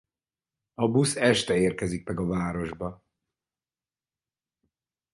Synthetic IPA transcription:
ɒbusɛʃt̪ɛeːrkɛzik̚mɛɡɒvaːɾo̞ʒbɒ

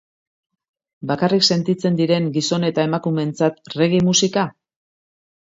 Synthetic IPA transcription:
bakarikse̞nt̪it͡se̞nd̪iɾe̞ŋɡiso̞ne̞t̪ae̞makume̞nt͡sat̪re̞ɣ̞imusika

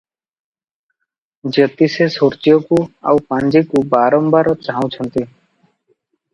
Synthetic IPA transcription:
d͡ʒət̪isesoɾt͡ʃijɔkua̰wpãnd͡ʒikubaɾɔmbaɾɔt͡ʃaɦaw̃t͡ʃʰənt̪i

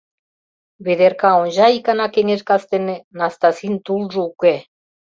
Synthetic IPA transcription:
βed̪erkɑonʲʒɑikɑnɑkeŋeʃkɑst̪enenɑst̪ɑsint̪ulʒəuke

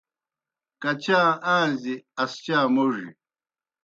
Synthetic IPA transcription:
kɐt͡ɕaːaːziɐst͡ɕaːmoʐḭ

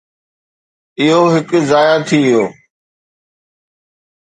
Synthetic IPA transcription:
ɪɦoːɦɪkzaːjaːt̪ʰiːɪjoː

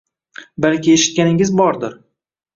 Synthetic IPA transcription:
balkʲɪeʃɪ̥t̪̚kʲanɪŋɪzbɒɾd̪ɪɾ

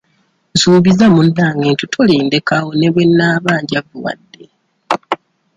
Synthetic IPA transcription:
suːβizamudaːŋɡeːntutʰoleːndekawoneβwe̞nːaːβaːɲɟavuwa̰dːe̞

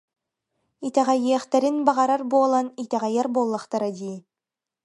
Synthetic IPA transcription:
it̪ɛʁajiɛχt̪ɛɾinbaʁɑɾaɾbuɔlˠanit̪ɛʁɑjaɾboːlˠːaχt̪aɾad̪iː

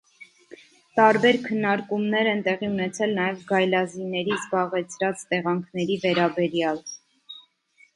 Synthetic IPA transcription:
t̪ɑɾbɛɾkʰənːɑɾkumnɛɾɛnt̪ɛʁiunɛt͡sʰɛlnɑjɛvɡɑjlɑzinɛɾizbɑʁɛt͡sʰɾɑt͡st̪ɛʁɑŋkʰnɛɾivɛɾɑbɛɾjɑl

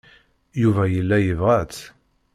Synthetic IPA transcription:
juvæjəlːæjəvʁæt͡s

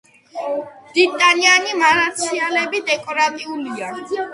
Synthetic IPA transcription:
bit̪ʼanianimaɾat̪sʰialɛbid̪ɛkʼɔɾat̪ʼiulia

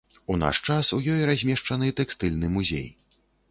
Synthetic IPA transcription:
una̰ʂt͡ʂasujɔjɾazʲmʲɛʂt͡ʂanɨt̪ɛkst̪ɨlʲnɨmuzʲḛj

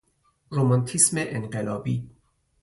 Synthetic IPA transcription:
ɾomantʰismeʔenʁelɔbi

